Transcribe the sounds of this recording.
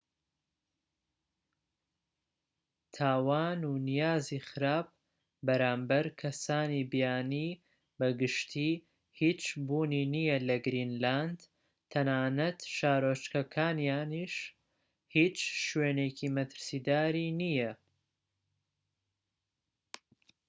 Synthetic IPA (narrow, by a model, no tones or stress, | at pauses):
t̪ʰaːwaːnunijaːzixɨɾaːb̚ | bɐɾaːmbɐɾkʰɐsaːnibijaːniː | bɐɡɨʃt̪ʰiː | hit͡ʃbuːniːnijɐlɐɡɾinland̪ | t̪ʰɐnaːnɐt̪ʃaːɾoːt͡ʃkɐkʰaːnjaːniʃ | hiːt͡ʃʃweːnecʰimɐt̪ʰɨ̥ɾsiːd̪aːɾinijɐ